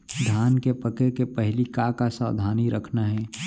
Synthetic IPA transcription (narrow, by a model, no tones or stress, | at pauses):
d̪ʱaːnkepɐkekepɛɦlikakasa̰ːd̪ʱaːniɾɐkʰnaɦɛː